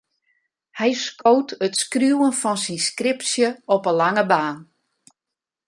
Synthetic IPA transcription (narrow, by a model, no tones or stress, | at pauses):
hɛjskowtʰətskrjuwənfɔnsinskrɪpsjəɔpəlaŋəbaːn